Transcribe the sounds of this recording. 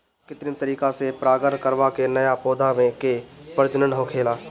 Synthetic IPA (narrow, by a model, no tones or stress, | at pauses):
kɪt̪ɾit̪əɾiːkasepɾaːɡəɾɳkəɾʋakenɐjapoːd̪ʱaʋẽkepəɾd͡ʒnənəɦõkʰeːlaː